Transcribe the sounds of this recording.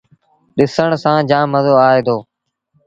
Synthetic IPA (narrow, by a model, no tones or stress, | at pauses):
ɗɪsəɳsãːd͡ʒãːməzoːaːeːd̪oː